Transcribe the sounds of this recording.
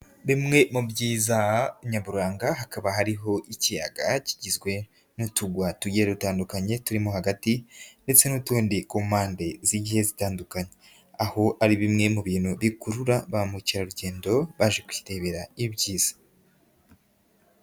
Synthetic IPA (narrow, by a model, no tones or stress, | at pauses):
βimŋe̞mubɟiːzaɲaβuɾaːŋɡaɦakaβaɦaɾiɦo̞ʔicija̰ɡaci̥ɟizɡwe̞ | nutuɡwatuɟeɾeɾutaːndukaɲe̞tuɾimoɦaɡatinde̞t͡se̞nutuːndikuːmaːnde̞ziɟihe̞zitaːndukaɲe | aho̞aɾiβimŋe̞muβiːn̥huβikuɾuɾaβamuciɾaɾuɟe̞ːndo̞βaʒekwi̥te̞βe̞ɾaibjiːz̥ḁ